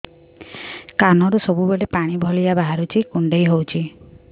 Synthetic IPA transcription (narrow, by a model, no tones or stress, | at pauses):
kanɔɾusɔbubeɽepaɽ̃ibʱɔliabaɦaɾut͡ʃʰikuɳɖejɦowt͡ʃʰi